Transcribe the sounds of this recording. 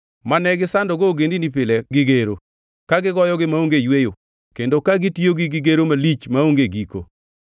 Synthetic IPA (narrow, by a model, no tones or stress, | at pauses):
manɛɡɪsandɔɡoɡendinipɪlɛɡɪɡeɾo | kaɡɪɡɔjɔɡɪmaoŋɡejwejo | kendokaɡɪtioɡɪɡɪɡeɾomalit͡ʃmaoŋɡeɡiko̰